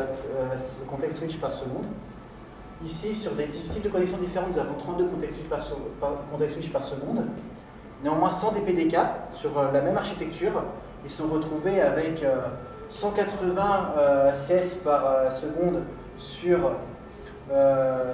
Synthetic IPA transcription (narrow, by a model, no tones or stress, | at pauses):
økɔ̃t̪ɛkswit͡ʃpaʁsəɡɔ̃d̪ | isisyʁd̪et̪it̪it̪d̪əkɔnɛksjɔ̃d̪ifeʁɑ̃t̪nuzavɔ̃t̪χɑ̃t̪̚d̪əkɔ̃t̪ɛkswipaʁspkɔ̃t̪ɛkswit͡ʃpaʁsəɡɔ̃d̪ | neɑ̃mwɛ̃sɑ̃d̪eped̪ekasyʁølamɛmaʁʃit̪ɛk̚t̪ʰyʁ | ilsɔ̃ʁət̪χuveavɛkø | sɑ̃kat̪χəvɛ̃øsɛspaʁøsəɡɔ̃d̪ | syʁ | ø